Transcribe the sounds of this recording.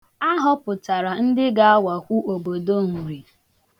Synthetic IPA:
a˦ɦɔ˦pʊ˨ta˨ɾa˨n̩˦dɪ˦ɡa˨a˦wa˨kʷu˦ʔo˨bo˨do˦ŋ̩˨ɾi˨

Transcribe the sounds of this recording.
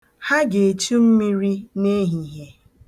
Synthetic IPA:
ha˦ɡe˨e˨t͡ʃu˦m̩˦mi˦ɾi˦ne˦ɦi˨ɦe˨

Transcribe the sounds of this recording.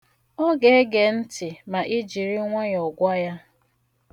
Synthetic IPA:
ɔ˦ɡe˨˦ɡe˨n̩˦tɪ˨ma˨ʔi˦d͡ʒi˨ɾi˦ŋʷe˦jɔ˨ɡʷa˦ja˦

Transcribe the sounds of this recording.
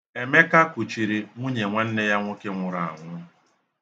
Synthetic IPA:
e˨me˦ka˦kʷʊ˨t͡ʃi˨ɾi˨ŋʷu˦ɲe˨ŋʷa˦n̩˦ne˦ja˦ŋʷʊ˦ke˦ŋʷʊ˨ɾa˨a̰˨ŋʷʊ˦

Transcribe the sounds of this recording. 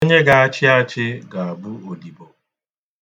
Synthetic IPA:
o˦ɲe˦ɡa˨a˦t͡ʃɪ˦aa˦t͡ʃɪ˦ɡa˨a˨bu˦o˨di˨bo˨

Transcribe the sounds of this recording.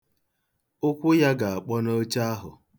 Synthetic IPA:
ʊ˦kʷʊ˦ja˦ɡa˨a˨k͡pɔ˦no˦t͡ʃa˦a˦ɦʊ̰˨

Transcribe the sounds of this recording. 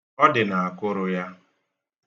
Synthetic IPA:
ɔ˦dɪ˨na˨a˨kʊ˦ɾʊ˦ja˦

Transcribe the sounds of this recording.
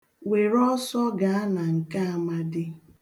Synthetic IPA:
we˨ɾɔ˦sɔ˦ɡa˨a˦na˨ŋ̩˨ka˦a˦ma˦dɪ˦

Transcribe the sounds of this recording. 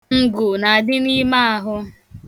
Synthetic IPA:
ŋ̩˦ɡʊ˨na˨a˨dɪ˦ni˦ma˦a˨˦ɦʊ˦

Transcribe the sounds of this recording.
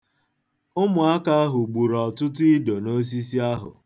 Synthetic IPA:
ʊ˦mʊ˨a˦ka˦a˦ɦʊ˨ɡ͡bu˨ɾɔ˨tʊ˦tʊ˦i˦do˨no˦s̬i˦si˦a˦ɦʊ̰˨

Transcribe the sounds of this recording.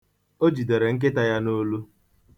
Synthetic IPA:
o˦d͡ʒi˨de˨ɾe˨ŋ̩˦k̬e˦ta˦ja˦no˦lu˦

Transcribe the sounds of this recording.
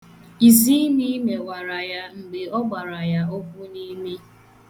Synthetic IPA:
i˨zi˦mi˦me˨wa˨ɾa˨ja˦ŋ͡m̩˨ɡ͡be˨ɔ˦ɡ͡ba˨ɾa˨ja˦o˦kʷu˦ni˦me˦

